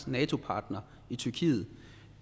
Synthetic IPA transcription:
nɛːt͡sʰo̝pʰɑ̈ːd̥nɐ | it͡sʰyɐkʰḭːð̩ˠ

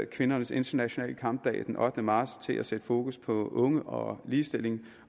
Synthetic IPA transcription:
kʰʋe̝nɐnəse̝nt͡sʰɐnæɕo̝nɛ̰ːləkʰɑ̈mb̥̚d̥ɛ̰ːɪd̥enʔɒ̽d̥ənəmɑ̥̈ːst͡sʰe̝læsed̥əfo̝ːkʰuspʰɒ̽ʔɔ̽ŋəʔɒ̽liːsd̥e̝l̰e̝ŋ

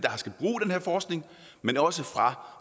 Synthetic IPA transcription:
d̥ɑ̈sɡ̥æb̥ʁṵːd̥enheɐ̰fɒːsɡ̥ne̝ŋ | menɒ̽səfʁɑ̈

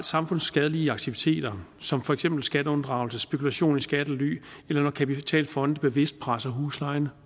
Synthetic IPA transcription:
ld̥sɑ̈mfɔ̽n̰sːɡ̥ɛð̞ˠəliːɑɡ̥̚t͡sʰiʋit͡sʰe̝̰ːd̥ɐsɒ̽mfɒ̽eɡ̥sem̰b̥l̩sɡ̥ædəɔ̽nd̥ʁɑ̈ʊl̩səsb̥e̝kʰulæɕo̝̰ːnisɡ̥æd̥əly̰ːelɐnɒkʰæpit͡sʰɛ̰ːlfɒ̽nd̥əb̥e̝ʋe̝sd̥̚pʰʁɑsɐɦuːslɑ̈ɪnə

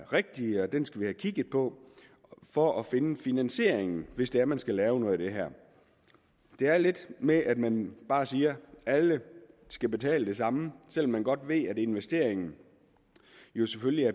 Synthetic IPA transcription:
ʁeɡ̥̚d̥iɒd̥ensɡ̥æʋihækʰiɡ̥ð̩ˠpʰɒ̽ | fɒ̽ʔɒfe̝nəfinænɕe̝ɐ̰eŋn̩ʋe̝sd̥eæɐmænsɡ̥ælɛːʊnɔ̽ð̩ˠd̥e̝ɦæɐ̰ | d̥e̝æɐle̝d̥meʔæd̥mænb̥ɑ̈ːsiːɐæləsɡ̥æb̥e̝t͡sʰɛ̰ːləd̥e̝sɑ̈məsel̰ɒ̽mːænɡ̥ɒ̽d̥ʋe̝ðæde̝nʋesd̥e̝̰ɐ̰eŋn̩ | jo̝sefølliæɐ

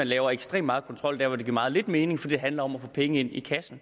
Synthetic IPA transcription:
ænlɛːʊɐeɡ̥sd̥ʁḛːmːɑ̈ːð̩ˠkʰɒnt͡sʰʁɒ̽l̰d̥æɐʋɒd̥e̝ɡ̥iɐɑ̈ð̩ˠle̝d̥me̝ːne̝ŋfɒ̽d̥iːd̥e̝ɦænlɐɒ̽mæfɔːpʰeŋəe̝n̰ikʰæsn̩

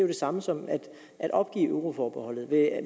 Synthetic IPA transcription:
jod̥e̝sɑ̈məsɒ̽mæd̥ | ʔæɾ̥ʔɒ̽b̥ɡ̥ḭːøʊʁo̝fɒːb̥ehɒ̽l̰ð̞̩ˠʋe̝

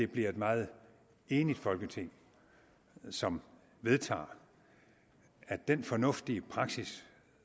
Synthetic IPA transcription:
d̥e̝b̥liɐe̝d̥mɑ̈ːð̞̩ˠ | e̝ːnid̥fɒ̽lɡ̥ət͡sʰe̝ŋ̰ | sɒ̽m | ʋe̝ð̞ˠt͡sʰɑ̰̈ː | æd̥enfɒ̽nɔ̽fd̥iəpʰʁɑ̈ɡ̥sis

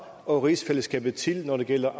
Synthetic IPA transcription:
ɒ̽ʁisfeləsɡ̥ɛ̰ːb̥ð̩ˠt͡sʰe̝lnɒɾ̥e̝ɡ̥el̰ɐʔ

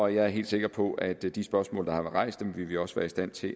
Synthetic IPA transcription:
ɒjɑ̈ɪæɐɦe̝̰ːd̥se̝ɡ̥ɐpʰɒ̽æd̥d̥isb̥ɶɐsmɔ̰̽ːld̥ɑ̈hɑ̈ʋˠʁɑ̈ɪ̰sd̥emʋe̝ʋeɒ̽səʋæːɐisd̥æn̰t͡sʰe̝

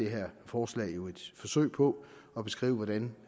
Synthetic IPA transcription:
e̝ɦeɐ̰fɒːslɛ̰ːɪjo̝e̝d̥fɒ̽sø̰ɪpʰɒ̽ | ɒ̽b̥e̝sɡ̥ʁḭːʊəʋɒdæn

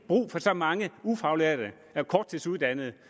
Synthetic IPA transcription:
b̥ʁṵːfɒ̽sɒ̽mɑ̈ŋəufɑ̈ʊleɐd̥ə | ækʰɒːd̥̚t͡sʰisuð̩ˠd̥ænð̞̩ˠ

